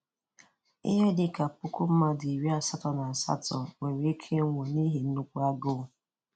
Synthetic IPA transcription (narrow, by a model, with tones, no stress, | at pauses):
ɪ̰˦ɦe˦dɪ˨ka˨pʊ˦kʊ˦m̩˦ma˦dɪ˨ɾi˦a˦˨sa˦tɔ˨na˨a˨sa̰˦tɔ˨we˨ɾe˦kʰe˦ŋʷo˨ni˦ɦe˨n̩˦u˦kʷu˦a˦ɡʊ˦˨